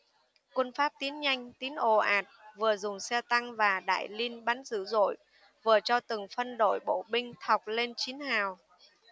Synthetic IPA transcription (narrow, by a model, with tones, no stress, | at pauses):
kwə˧nfaː˦˥p̚t̪i˨˦ənɲa˧jŋ̟t̪i˨˦ənʔo˨˩ʔaː˨˩t̚vɨ˨˩əzʊ˨˩ŋ͡msɛ˧t̪a˧ŋvaː˨˩ɗa̰ː˧˨jli˧ənɓa˨˦nzɨ̰˧˩zo̰˧˨j | vɨ˨˩ət͡ɕɔ˧t̪ɨ˨˩ŋfə˧nɗo̰˧˨jɓo̰˧˨ɓï˧ŋ̟t̪ʰa˨˩wk͡p̚le˧nt͡ɕi˨˦ənhaː˨˩w